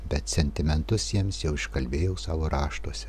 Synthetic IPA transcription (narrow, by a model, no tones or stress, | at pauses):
bʲɛt̪sʲɛnʲt̪ʲɪmʲɛnt̪ʊsjiɛmsjɛʊɪʃkɐlʲbʲeːjɛʊsɑːʋoːɾɑːʃt̪uɔsʲɛ